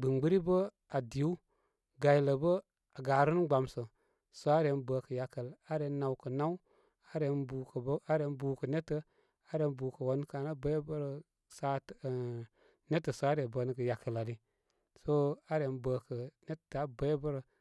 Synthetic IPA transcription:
ɡ͡bɨ˨ŋɡ͡bə˦ɾi˦bə˦ | a˨di˨u˦ | ɡa˨jlə˨bə˦ | a˨ɡa˨ɾə˦n˦ɡ͡ba˨msə˨ | so˨˦a˦ɾe˨˦nbəː˨kə˨ja˨kə˨la˦ɾe˨na˨wkə˨na˦w | a˦ɾe˨nbu˨kə˨˦a˦ɾe˨˧˦n˦buː˨kə˨ne˦tə˨˦ | a˨˦ɾe˨˦n˦buː˨kə˨wo˦n˦ka˨na˦bə˦bə˦ɾə˨ | sa˦t | ne˦tə˨so˨˦a˦ɾe˨bəː˨nə˦kə˨ja˨kə˨la˨li˦ | so˦a˦ɾe˨˦nbəː˨kə˨ne˦tta˨˦bə˦bə˦ɾə˨

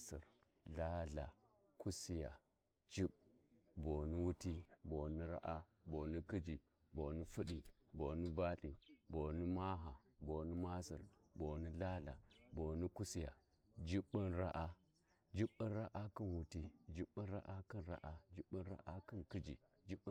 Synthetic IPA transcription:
sḭ˨ɾ | la˦ɮa˨ | ku˦si˦ja̰˨ | d͡ʒi˦ɓbo˨ni˦wu˦ti˦bo˨ni˦ɾa̰˦ʔa˦ | bo˨ni˦ki˦d͡ʒi˨ | bo˨ni˦fu˦ɗi˨ | bo˨ni˦ba˦ɗi˨bo˨ni˦ma˦ɦa˨ | bo˨ni˦ma˦sḭ˨ɾ | bo˨ni˦ɮa˦ɮa̰˨bo˨ni˦ku˦si˦ja̰˨ | d͡ʒi˦ɓːi˦nɾa˦ʔa˦ | d͡ʒi˦ɓi˦nɾa˦ʔa˦ki˦nwu˦ti˦d͡ʒi˦ɓi˦nɾa˦ʔa˦ki˦nɾa̰˦ʔa˦d͡ʒi˦ɓːi˦n˦ɾa̰˦ʔa˦ki˦nki˦d͡ʒḭ˨ | d͡ʒi˦ɓ

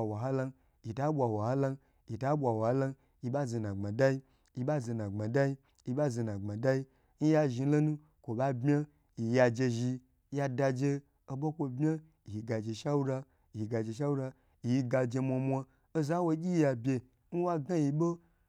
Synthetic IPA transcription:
wa˨ɦa˦la˧n | ji˨ta˦ɓʷa˧wa˨ha˦la˧n | ji˨ta˦ɓʷa˨wa˨a˦la˦n | ji˧ɓa˦ze˧nã˨ŋ͡ma˨da˦i˦ | ji˧ɓa˦ze˧nã˨ŋ͡ma˨da˦i˦ | ji˧ɓa˦ze˧nã˨ɡ͡ba˨da˦i˦ | n̩˦ja˧ʒi˧n̩˦lo˦nu˦ | kʷo˨ɓa˦bmʲa˦ | ji˨ja˧d͡ʒe˧ʒi˧ | ja˧da˧d͡ʒe˧ | o˧ɓo˦kʷo˧bmʲa˦ | i˨ji˨ɡa˨d͡ʒe˧ʃa˦wu˦ɾa˧ | i˨ɡa˨d͡ʒe˧ʃ̬a˦wu˦ɾa˧ | i˨ji˧ɡa˧d͡ʒe˧mʷa˧mʷa˧ | o˦za˦wo˧˦ɡʲi˦ja˧bʲe˧ | n̩˦wa˦ɡa˦ji˧ɓo˦

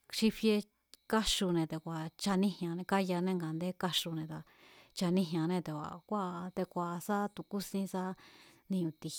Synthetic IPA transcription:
ʂi˦fje˧ | ka˦ʃu˧nẽ˧t̪e˧kʷa˨t͡ʃa˧nĩ˦hã˨˧nẽ˧ka˦ja˧nẽ˦˧ŋɡa˨nd̪e˦ka˦ʂu˧nẽ˧˨t̪a˧ | t͡ʃa˧nĩ˦ɦã˧˨nẽ˦˧t̪e˨kʷa̰˨kʷa˦˧t̪e˧kʷa˧˨˧sa˦t̪u˧˨ku˦sĩ˧sa˦nĩ˧ũ˧˨t̪i˨

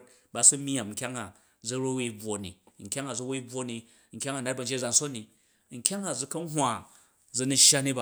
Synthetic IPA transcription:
t̚ | ba˨˧su˦m˦a˨m˨ŋ̩˨kʲa˦ŋa˨ | d͡zɐ˦ɾo˦we˦bwo˨nḭ˨ŋ̩˨kʲa˦ŋa˨d͡zu˦we˦i˦b͡vwo˧˦ni˧ | ŋ̩˨kʲa˦ŋa˨na˦t̚bɐ˨n̩d͡ʒe˦d͡za˨n̩so˦nːi˨ | ŋ̩˨kʲa˦ŋa˨d͡zu˧kɐ˦n˦ɦwa˨ | d͡zɐ˧nu˧ʃja˦ni˦ba˦

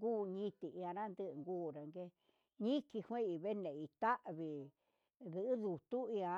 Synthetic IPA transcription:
ɡuː˦˨ɲĩ˦˧t̪i˨i˧ã˧ɾã˦nd̪ɨ˦ʔŋɡuː˦˨ɾa˧ŋɡe˦ | ɲĩ˦ki˧hwẽ˦i˧βe˦nẽ˨i˧t̪a˦ʔβi˨ | ðɨ˨ʔɨ˦ðu˨t̪u˦i˧ã˧

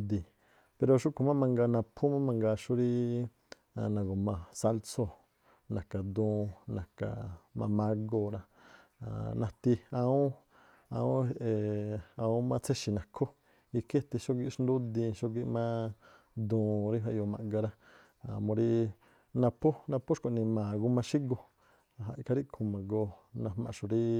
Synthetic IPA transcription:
d̪i˧ | pe˧ɾo˧ʃu˦ku˧mã˦mã˧ŋɡa˧nã˧pʰu˦mã˦mã˧ŋɡa˧ʃu˦ɾi˦ | a˧nã˨ɡo˨mã˧sa˦lso˧ | nã˨ka˨d̪ũː˧nã˨ka̰˨mã̰˧mã˦ɡo˧ɾa˧ | a̰˨nã˧t̪i˧a˧ũ˦ | a˧ũ˦e˧˨a˧ũ˦mã˦˧t͡se˦ʃi˧nã˨kʰo˦ | i˧kʰe˦t̪i˧ʃo˦ɡi˧˦ʂnd̪u˦d̪ĩ˧ʃo˦ɡi˧ʔmã˦ | d̪ũː˧ɾi˦ɦa˧ʔo˧mã̰˧˨ŋɡa˧ɾa˦ | a̰˨mõ˧ɾi˦ | nã˧pʰu˦nã˧pu˦ʃko˧˨nĩ˧mã˨ɡu˦mã˧ʃi˦ɡo˧ | a˧˨ɦa˧i˧kʰa˧ɾi˦kʰũ˧˨mã˨ɡo˧nã˧hmã̰˧ʃu˨ɾi˦

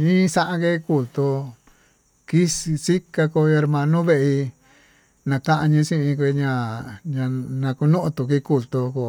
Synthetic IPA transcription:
ɲĩ˦sã˦ʔã˧ke˦˧ku˨lt̪o˧ | ki˦ssi˦ka˧ko˧o˧e˧ɾmã˧nõ˦βe˧ʔi˧ | nã˧kã˦ʔa˧ɲĩ˧sĩ˦˧ĩ˧k̬ʷe˧ɲã˧ɲã˧nã˧ku˧nũ˦ʔt̪u˧˨k̬i˦˧˦ku˧˨lt̪o˧ko˧˨

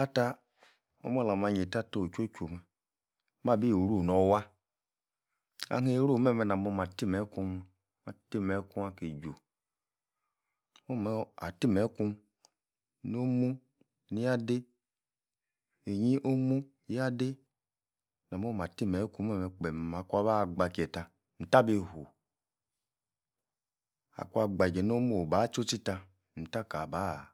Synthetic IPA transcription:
a˦ta˦ | o̰˦m˦o˦˨la˨ma˧˨ɲe˨ta˦to˦˨t͡ʃo˦t͡ʃo˨mɛ˨˦ | ma˦˨bi˦jo˨ɾu˦˨nɔ˨˦wa˦ | a̰˦ɦe˦ɾu˦˨˦mɛ˦˨mɛ˨na˨mo˧ma˨ti˦mɛ˨˦ku˧m˦ | ma˨ti˦mɛ˨˦ku˦ma˦ke˨d͡ʒo˨ | mo˦m˨˦a̰˨ti˦mɛ˨˦ku˧m | n˦o˦mu˦ | ni˦a˦de˦ | e˨ɲi˦ʔo˦mu˦ | ji˦a˦de˦ | na˨m˦o˦m˨a˨ti˦mɛ˨˦ku˦o˦me˨k͡pɛ˨ma˨kʷa˧ba˦˨ɡ͡ba˨ki˨ɛ˨ta˧ | n̩˨ta˦be˦˨ho˨ | a̰˨ku˦a˧ɡ͡ba˨d͡ʒɛ˨n˦o˦mu˦o˨ba˨˦t͡ʃo˦t͡ʃi˦ta˧ | n̩˨ta˦ka˨ba˨˦˨

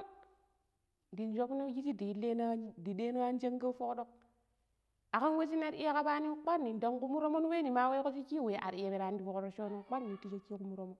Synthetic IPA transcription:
di˨nd͡ʒo˦kno˦ji˦t͡ʃi˦di˨le˦n˦di˨de˦no˦a˦n˦d͡ʒe˦ŋɡa˦fo˦kɗo˦k̚ | a˨ka˦nwe˦t͡ʃ̬i˦na˦ɾi˦a˦ka˦ba˦ni˦k͡pa˦nːi˨n˨da˨ŋku˦mu˦ɾo˦mo˦n˦we˦ni˨ma˦we˦ko˦t͡ʃi˦ki˦˨we˨ʔa̰˨ɾi˨je˨be˨ɾa˨ndi˨bo˨ko˨ɾo˦ʃo˦no˦k͡pa˦nː˦i˨ti˦t͡ʃe˦ki˦ku˦mu˦ɾo˦mo˦

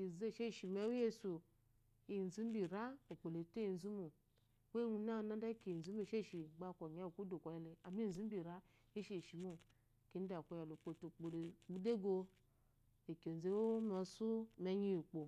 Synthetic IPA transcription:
i˨ze˦˨ʃe˦˨ʃi˨me˨˦je˦su˨ | i˨n˨zu˦m̩˦bi˨ɾa˦o˨k͡po˨le˨te˦i˨n˨zu˦mu˨ | we˦nu˦na˦˨˦na˦da˦ki˨n̩˨zu˦me˦˨ʃe˦˨ʃi˨ɡ͡ba˦˨kʷo˨ɲa˨˦˨ku˦do˨kʷa˨ja˨le˨a˨m˦i˦˨zu˦m̩˦bi˨ɾa˦ | i˦ʃe˦˨ʃi˨mu˦˨ | ki˨˦n̩˦da˨kʷo˨˧ja˨lu˨k͡po˧tu˨k͡po˨lk͡pu˦de˦ɡo˧ | i˨ko˨n˨ze˦wo˦ma˨su˦me˦ɲi˦ji˨k͡po˨

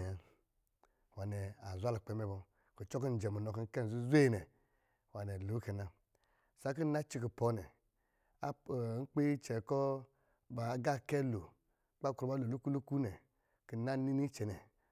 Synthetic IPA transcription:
a˨ | wa˨nɛ˨a˨zʷa˦lo˨k͡pɛ˧˦mɛ˧˦bɔ˧ | ko˨t͡ʃɔ˦k̬i˦n̩˨d͡ʒɛ˨mu˨nɔ˨ki˧ŋ̩˦kɛ˦n˨zu˦zʷe˦˨nɛ˨ | wa˨nɛ˨lu˨˦kɛ˨na˨ | sa˨˦ki˦na˦t͡ʃi˧k̬i˨pɔ˧˦nɛ˨ | a˦˨ŋ̩˦k͡pe˦i˦t͡ʃɛ˨kɔ˦ | ba˨˦ɡa˦˨kɛ˦lo˨˦ | k͡pa˦˨kɾu˨ba˦lo˨lu˦ku˦lu˦ku˦nɛ˨ | ki˨˦na˦ni˦ni˦t͡ʃɛ˨nɛ˨

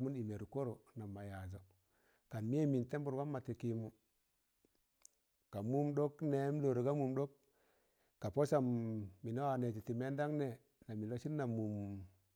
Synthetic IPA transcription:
mu˦ni˨me˨ɾu˨ko˦ɾo˨na˨ma˨ja˨zo˨ | ka˨nmi˦e˦mi˨nte˦mbu˨ɾwa˦mːa˨ti˨ki˨mu˨ | ka˨mu˦mɗo˦kne˦m˦lo˨ɾo˨ɡa˦mu˨mɗo˦k̚ː | a˨po˦sa˨mːi˨no˦wa˨ne˨d͡ʒi˨ti˨me˦nda˦ŋne˦ | na˨mi˨lo˦ʃi˦nnːa˨mu˨m

